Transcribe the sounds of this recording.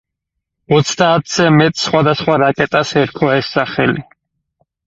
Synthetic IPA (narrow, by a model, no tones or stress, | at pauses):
ɔt̪sʰd̪aːt̪ʰz̥ɛmɛt̪ʼsχwad̪asχwaɾakʼɛt̪ʼasɛɾkʰɔɛsːaχɛli